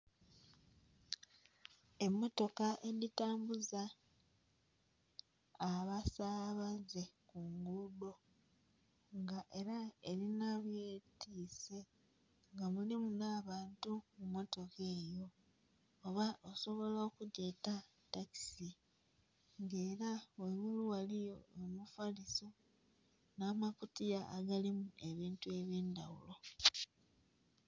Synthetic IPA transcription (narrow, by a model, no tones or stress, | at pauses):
e̞mːo̞to̞kaʔe̞litaːmbuza | βasaβaze̞kuŋɡudo̞ | ŋɡaʔe̞ɾaeɾinaβjeːtʰise̞ | ŋɡamulimunaːβaːntumumo̞to̞ke̞ːjo̞ː | βaʔoso̞βo̞laokute̞ːta | taki̥si | ŋɡe̞ːɾaweɣuluwalijo̞omufaliso | naːmakutijaːɡalimue̞βiːntue̞βje̞ːnda̰wṵlo̞